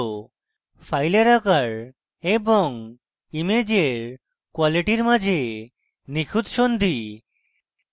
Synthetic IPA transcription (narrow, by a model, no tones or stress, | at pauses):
fʰajlaɾakaɾ | eboŋ | imed͡ʑeɾ | kwaliʈiɾmad͡ʑʱe | nikʰud̪ʃond̪ʱi